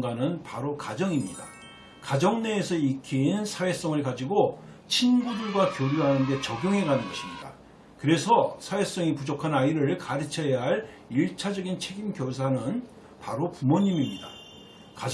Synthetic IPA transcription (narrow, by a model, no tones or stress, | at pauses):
ɡanɯnpaɾokad͡ʑʌŋimɲida | kad͡ʑʌŋne̞ːsʰʌikʰinsʰawe̞s͈ʌŋɯɭkad͡ʑiɡot͡ɕʰinɡudɯɭɡwakjoɾjuɦanɯnde̞t͡ɕʌɡjoŋɦe̞ɡanɯnɡʌɕʰimɲida | kɯɾe̞sʰʌsʰawe̞s͈ʌŋipud͡ʑokʰanaiɾɯɭkaɾɯt͡ɕʰejɦaɭ | iɭt͡ɕʰad͡ʑʌɡint͡ɕʰe̞ɡimkjʌs̬ʰanɯn | paɾopumʌɲimimɲida | ka